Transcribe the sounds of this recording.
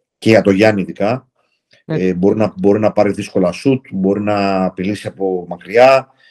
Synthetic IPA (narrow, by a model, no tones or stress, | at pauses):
ceiɐt̪o̞ʝɐniiðikɐ | ebo̞ɾinɐbo̞ɾinɐpɐɾiðisko̞lɐsut̪bo̞ɾinɐːpilisiɐpo̞mɐkɾiɐ